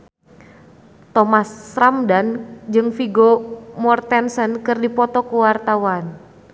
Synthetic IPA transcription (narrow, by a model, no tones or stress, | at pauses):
t̪ɔmasːɾamdand͡ʒɨŋfiɡomɔrt̪ɛnsənkɨrdipɔt̪ɔkuwart̪awan